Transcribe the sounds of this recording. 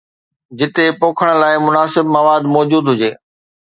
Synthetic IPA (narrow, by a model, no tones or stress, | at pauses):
d͡ʑɪt̪epoːkʰəɽ̃ə̆laːɪmʊnaːsɪb̚maʋaːd̪mɔːd͡ʑuːd̪ɦʊd͡ʑeː